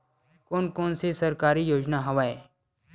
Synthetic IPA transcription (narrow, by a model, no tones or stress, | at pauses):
koːnkoːnsesɐɾkaːɾijoːd͡ʒnaɦɐʋaːe